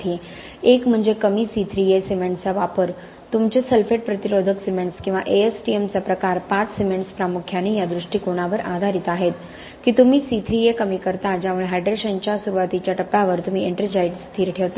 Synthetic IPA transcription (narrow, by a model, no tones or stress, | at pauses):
t̪ʰi | ekm̤əɳd͡zekəmiːsit̪ʰɾijesimeɳʈt͡saʋapəɾ | t̪umt͡ɕeselfeʈ̚pɾət̪iɾod̪ʱəksimeɳʈskĩw̃ʋaʔeesʈiemt͡sapɾəkaɾpat͡ssimeɳʈspɾamukʰjanejad̪ɾuʂʈiːkoɽ̃aʋəɾʔad̪ʱaɾit̪aɦet̪ | kit̪um̤iːsit̪ʰɾijekəmikəɾt̪ad͡ʑaʋəɭɦajɖɾeɕənt͡ɕjasuɾuʋat̪it͡ɕjaʈəpːjaʋəɾt̪um̤ieɳʈəd͡ʑajɖst̪ʰiːɾʈʰeʋt̪a